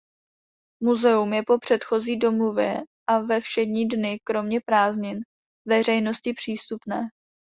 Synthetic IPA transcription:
muzɛumjɛpo̞pr̝̥ɛt̪xo̞ziːdo̞movjɛ̰ʔavɛfʃɛdɲiːdnɪkɾo̞mɲɛpɾaːzɲɪn | vɛr̝ɛjno̞scɪpr̝̥iːst̪upnɛː

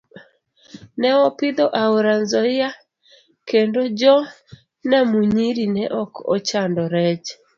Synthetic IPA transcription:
nɛwɔpɪd̪ɔʔauɾanzɔɪa | kendɔd͡ʒɔ | namuɲiɾinɛʔɔkɔ̰t͡ʃandɔɾɛd͡ʒ

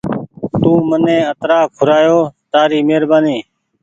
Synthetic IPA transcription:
t̪ũːmənẽːət̪ɾaːkʰːʊɾaːjoːt̪aːɾiːmeːɾbaːniː

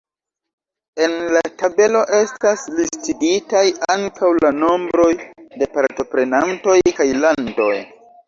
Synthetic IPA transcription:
e̞nlatabe̞lo̞ʔe̞staslistiditajaŋkawlano̞mbɾo̞jde̞paɾto̞pɾe̞nanto̞jkajlando̞j

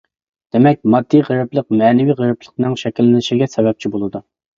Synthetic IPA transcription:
d̪̥emɛk̚ʲmɑd̪ːijʁəɾɨplˠəq̚mɛːnɪviʁəɾɨplˠəqnɨŋʃɛkʲilːɪnɪʃiɡʲɛsɛbɛp̚t͡ʃʰibolˠɨd̪u

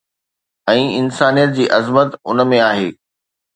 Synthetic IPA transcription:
ɛ̃ːɪnsaːnijət̪̚d͡ʑiːʔɐzmət̪ʊnəmẽaːɦeː

